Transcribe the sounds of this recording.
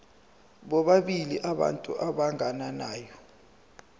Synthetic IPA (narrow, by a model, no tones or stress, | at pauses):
ɓɔɓaɓiliʔaɓa̰ntʼṵʔaɓaŋʱananaːjɔ